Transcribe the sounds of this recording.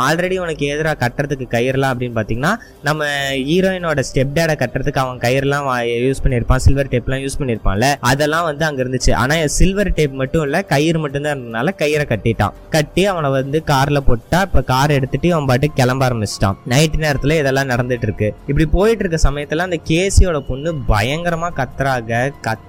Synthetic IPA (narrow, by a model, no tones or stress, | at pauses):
aːlɾɛɽiɔnɐkːeːðɪɾaːkɐʈːɾɐðɯkːɯkɐjɪɾɛlãːɐpːɐɽɪnːɯpaːɾt̪iːŋɡɐnaː | nɐmːɐiːɾoːɪnoːɽɐsʈɛp̚ɖeːɽɐkɐʈːɾɐðɯkːɯɐʋɐ̃ŋɐkɐjːɪɾɛlːãːjuːspɐɳːɪɾɯpːãːsɪlʋɐɾʈɐːpːlãːjuːspɐɳːiɪɾɯpːã̰ːlɐɐðɛlːãːʋɐnd̪ɯɐŋɡɐɪɾɯnd̪ɯt͡ʃːɯʔa̰ːnaːɪɐsɪlʋɐɾʈɐːpmɐʈːʊ̃ɪlːɐkɐjɪɾɯmɐʈːɯnd̪aːnɐnaːlɐkɐjɪɾɐkɐʈːɪʈːã̰ːkɐʈːiɐʋɐnɐʋɐnd̪ɯkaːɾlɐpoːʈːaːɪpːokaːɾɛɽɯt̪ːɯʈːɯɐʋɐmbaːʈːɯkɛlɐmbaːɾɐmbɪt͡ʃːʈã̰ːnɐɪʈːɯneːɾɐt̪ːɪlɐɪðɛlːãːnɐɽɐnd̪ɯʈːɾɯkːɯɪpːɐɽipoːjɪʈːɪɾɯkːɾɐsɐmɐjɐt̪ːɛlːãːɪnd̪ɐkeːsɪjoːɽɐpɔnːɯbɐjɐŋɡɐɾɐmaːkɐt̪ːɐɾaːɣɐkɐ